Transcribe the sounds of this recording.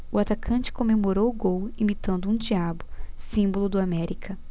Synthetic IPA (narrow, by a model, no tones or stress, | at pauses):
ʊat̪akʰɐ̃t͡ʃɪ̥kõmemoɾowʊɡowimit̪ɐ̃nd̪ʊũd͡ʒiabʊsĩmbolʊd̪ʊamɛɾikʰɐ